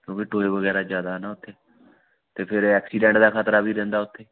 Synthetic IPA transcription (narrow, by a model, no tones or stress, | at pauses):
kjõːkiʈoːeːʋəɡɛːɾaːd͡ʒjaːd̪aːnaːʊt̪ʰːeː | t̪eːpʰɪɾɛːksiːɖɛ̃ːɳʈd̪aːkʰaːt̪ɾaːbʱiːɾɛ̃ːnd̪aːʊt̪ʰːeː